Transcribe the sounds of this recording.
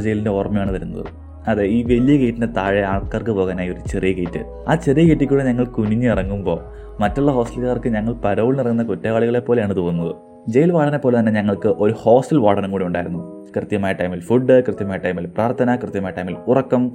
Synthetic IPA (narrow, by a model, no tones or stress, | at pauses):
d͡ʑejlinde̞oːrɐmɐjaːɳɨʋɐɾunːɐ̰ðɨ̰ | ɐðeiːʋe̞lːijɐkejtːinde̞t̪aːɻeaːɭkaːrkɨpo̞ːɣaːnaːjo̞ɾut͡ɕerijɐkeːtːɨ̰ | aːt͡ɕerijɐkeːʈːikʲːuːɽeɲɐŋːɐɭkuniɲːɨirɐŋːumbo̞ː | mɐtːuɭːɐɦo̞ːsʈɐlkaːrkɨɲɐŋːɐɭpɐɾɐʋiɭnirɐŋːunːɐkutːeɣaːɭiɣɐɭe̞pːo̞ːleaːɳɨt̪oːunːɐðɨ | d͡ʑe̞jilʋaːʈɐnepːolet̪ɐnːe̞ɲɐŋːɐɭkɨʔo̞ɾuho̞ːstɐlʋaːɽɐnuŋkuːɽiuɳɖaːjiɾunːu | krɨt̪jɐmaːjɐʈːɐjmilfuɖːɨkrɨt̪jɐmaːjʈːɐjmilpraːrt̪ʰɐnɐkrɨt̪jɐmaːjɐʈːɐjmilurɐkːɐm